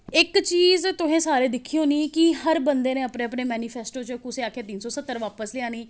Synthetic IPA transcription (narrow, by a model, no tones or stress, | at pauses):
ɪkt͡ʃiːzt̪ʊɦẽːsaːɾeːd̪ɪkʰːiːoːniːkiɦəɾbənd̪eːnẽːəpneːəpneːmɛːniːpʰɛːsʈoːt͡ʃkʊseːaːkʰeːt̪iːnsɔːsət̪ːəɾʋaːpəslɪãːniː